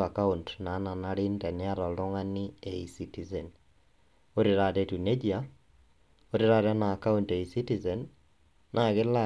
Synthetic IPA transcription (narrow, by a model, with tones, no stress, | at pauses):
a˨ka˦untna˨˦na˨naɾi˦ntɛ˨nɪa˦ɾɔ˨ltɔ˦ŋa˦ni˦e˨i˨siti˨ze˨n | o˦ɾi˨ɾa˨tetu˨ne˦d͡ʒia | o˦ɾi˦ɾa˦tɛnaː˨ka˦unte˨isi˦ti˨zɛ˨nː | ʔa˨ɣɪ˦la